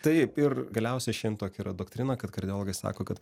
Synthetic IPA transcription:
t̪ɐɪpɪrɡɐlʲɛʊsʲɛʃʲɛɪmt̪oːkʲiːɾɐd̪oːkt̪ʲɾʲɪnɐkɐt̪kɐɾʲd̪ʲɪjoːlˠːɡɐsɑ̰ːkoːkɐt̪

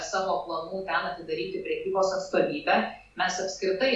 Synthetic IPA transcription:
sɑːʋoːplˠɐnuːt̪ʲɛnɐt̪ʲɪd̪ɐɾʲiːt̪ʲɪpʲɾʲɛkʲiːboːsɐt̪st̪oːʋʲiːbʲæ | mʲɛsɐpʲsʲkɾʲɪt̪ɐɪ

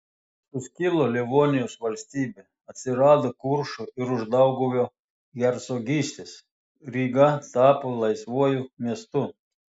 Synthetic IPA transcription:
ʊsʲkʲɪlˠoːlʲiʋoːnʲɪjoːsʋɐlʲsʲt̪ʲiːbʲe | ɐt̪ʲsʲɪɾɑːd̪okʊɾʃoɪɾʊʒd̪ɐʊɡoʋʲoː | ɡʲɛɾsoːɡʲiːsʲt̪ʲes | ɾʲiːɡɐt̪ɑːpolˠɐɪsʋuɔjʊmʲiɛst̪ʊ

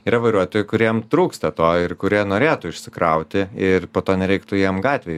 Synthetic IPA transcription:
iɾɐʋɐɪɾuɔt̪oːjʊkʊɾʲiɛmt̪ɾuːkst̪ɐt̪oːɪrkʊɾʲiɛnoːɾʲeːt̪ʊːɪʃʲsʲɪkɾɐʊt̪ʲɪɪrpoːt̪oːnʲɛɾʲɛɪkt̪ʊjiɛmɡɑːt̪ʲʋʲeːj

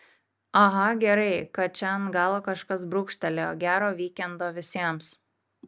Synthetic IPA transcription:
ɐɦɐɡʲɛɾɐɪkɐt̪̚t͡ʃʲɛnɡɑːlˠokɐʃkɐs̬bɾʊkʃʲt̪ʲɛlʲoɡʲæːɾoːʋʲiːkʲɛnd̪oːʋʲɪsʲiɛms

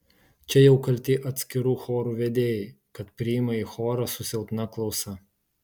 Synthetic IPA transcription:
t͡ʃʲɛjɛʊkɐlʲt̪ʲɪːʔɐt̪ʲsʲkʲɪɾuːxoːɾuːʋʲɛd̪ʲeːjɛ | kɐt̪pʲɾʲɪɪmɐixoːɾɐsʊsʲɛlˠt̪ʲnɐklˠɒʊsɐ

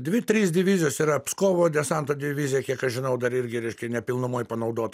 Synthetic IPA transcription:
d̪ʲʋʲɪt̪ʲɾʲiːsdʲɪʋʲizʲɪjoːsiːɾɐpskoːʋoːd̪ʲɛsɐnt̪oːd̪ʲɪʋʲizʲɪjɛkʲiɛkɐʃʒʲɪnɐʊd̪ɐɾɪɾʲɡʲɪɾʲɛɪʃʲkʲɛnʲɛpʲɪlˠnʊmoːjpɐnɐʊd̪oːt̪

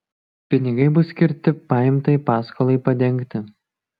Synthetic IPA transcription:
pʲɪnʲɪɡɐɪbʊsʲkʲɪɾʲt̪ʲɪpɑːjɪmt̪ɐɪpɑːskolˠɐɪpɐd̪ʲɛŋʲkt̪ʲɪ

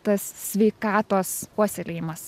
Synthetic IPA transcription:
t̪ɐssʲʋʲɛɪkɑːt̪oːspuɔsʲɛlʲeːjɪmɐs

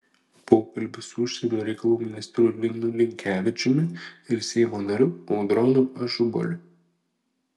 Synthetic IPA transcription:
poːkɐlʲbʲɪsʊʊʃʲsʲɛnʲoːɾʲɛɪkɐlˠuːmʲɪnʲɪst̪ʲɾʲʊlʲɪnnʊlʲɪŋʲkʲæːʋʲɪt͡ʃʲʊmʲɪɪɾsʲɛɪmoːnɐɾʲʊɔʊd̪ɾɔnʊɐʒʊbɔ̰lʲɪ

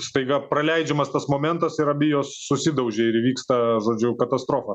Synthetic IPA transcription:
st̪ɐɪɡɐpɾɐlʲɛɪd͡ʒʲɛmɐst̪ɐsmoːmʲɛnt̪ɐsɪɾɐbʲɪjoːsːʊsʲɪd̪ɐʊʒʲɛɪɾʋʲiːkst̪ɐʒoːd͡ʒʲʊkɐt̪ɐst̪ɾoːfɐ

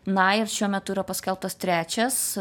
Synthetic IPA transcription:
nɐɪrʃʲuɔmʲɛt̪ʊiːɾɐpɐsʲkʲɛlˠp̚t̪ɐst̪ʲɾʲæːt͡ʃʲɛs

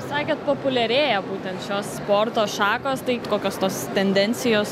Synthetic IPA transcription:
sɑːkʲeːt̪̚poːpʊlʲɛɾʲeːjɛbuːt̪ʲɛnt̪ʃʲoːsspoːrt̪oːʃɑːkoːst̪ɐɪkoːkʲoːst̪oːst̪ʲɛnʲd̪ʲɛnʲsʲɪjoːs

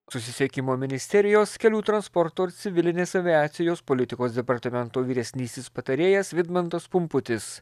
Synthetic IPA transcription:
sʊsʲɪsʲiɛkʲɪmoːmʲɪnʲɪsʲt̪ʲɛɾʲɪjoːskʲɛlʲuːt̪ɾɐnspɔɾt̪oːɪɾt̪sʲɪʋʲɪlʲɪnʲeːsɐʋʲɪæːt̪sʲɪjoːspɔlʲɪt̪ʲɪkoːsd̪ʲɛpɐɾt̪ɐmʲɛnt̪oːʋʲiːɾʲɛsʲnʲiːst̪ʲɪspɐt̪ɐɾʲeːjɛsʋʲɪd̪mɐnt̪ɐspʊmpʊt̪ʲɪs

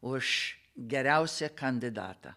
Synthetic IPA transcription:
ʊʃ | ɡʲɛɾʲɛʊsʲɛkɐnʲd̪ʲɪd̪ɑ̰ːt̪ɐ̰

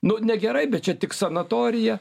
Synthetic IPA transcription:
nʊnʲɛɡʲɛɾɐɪbʲɛt̪̚t͡ʃʲɛt̪ʲɪksɐnɐt̪oːɾʲɪjɛ

